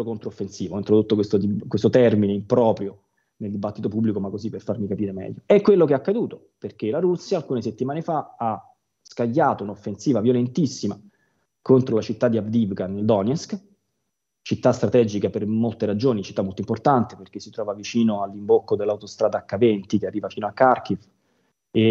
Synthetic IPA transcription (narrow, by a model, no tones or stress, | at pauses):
okont̪ɾoofːensiːvoɔint̪ɾod̪ot̪ːokwest̪od̪ikwest̪ot̪ɛrmineimpɾɔːpɾjo | neld̪ibat̪ːit̪opubːlikomakːozipːerfaɾrmikapiːɾemɛ̰ʎːoɛkːwelːokeakːad̪uːt̪o | perk̟elaɾusːjaːlkuːneset̪ːimaːnefaa | skaʎːaːt̪ounofːensiːvavjolent̪isːima | kont̪ɾolat͡ʃit̪ːad̪iavd̪ivɡanild̪ɔnjɛsk | t͡ʃit̪ːast̪ɾat̪ɛd͡ʒikapermolt̪eɾad͡ʒoːnit͡ʃit̪ːamːolt̪oimport̪ant̪eperk̟esːit̪ɾɔːvavit͡ʃiːnoalːimbokːod̪elːawt̪ost̪ɾaːd̪aːkːavɛnt̪ikearːiːvafiːnoakːark̟if | e